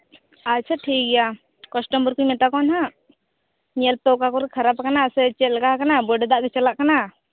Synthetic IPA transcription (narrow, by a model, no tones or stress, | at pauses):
atːt͡ʃʰaʈʰik̚ɡɛja | kɔsʈɔmbɔɾkujmɛt̪akɔnɦa | ɲɛlt̪ɔkakɔɾɛkʰaɾapkanasɛt͡ʃɛt̪̚laɡaɦakanabɔɖɛd̪aʔɡɛt͡ʃalaʔkana